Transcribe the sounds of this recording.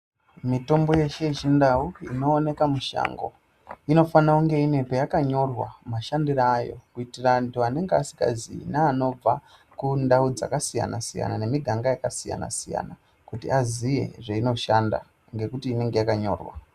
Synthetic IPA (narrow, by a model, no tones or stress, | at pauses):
mito̞mbo̞je̞ʃe̞it͡ʃindauino̞ːne̞kamuʃa̰ːŋɡo̞̰ | ino̞fanauŋɡe̞ine̞pejakaɲo̞rwa̰maʃandiraːjo̞̰kuitirantuane̞ŋɡeasi̥ka̰zinaːno̞b͡va | kundaud͡za̰kasija̰nasija̰nane̞miɡʱaŋɡajakasija̰na̰sija̰na | kutiazije̞̰ʐeino̞ʃanda̰ | ŋɡe̞kutiːne̞ŋɡe̞jakaɲo̞̰ːrwa̰